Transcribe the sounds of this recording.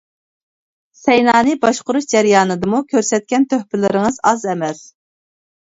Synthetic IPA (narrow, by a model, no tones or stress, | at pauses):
sɛjnɑːnɨbɑʃqʊɾuʃd͡ʒɛɾjɑːnɨd̪ɨmukʲʰøɾsɛt̪̚kʲɛnt̪ʰøhpɪɾlɪɾɪŋɨzɑzɛmɛs